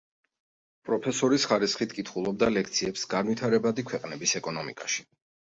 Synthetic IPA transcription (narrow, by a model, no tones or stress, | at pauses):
pʼɾɔpʰɛsɔɾisχaɾisχit̪ʰkʼit̪ʰχulˠɔb̚d̪alɛk̚ʰt̪sʰiɛpsɡanwit̪ʰaɾɛbad̪ikʰwɛqʼnɛbisɛkʼɔnɔmikʼaʃi̥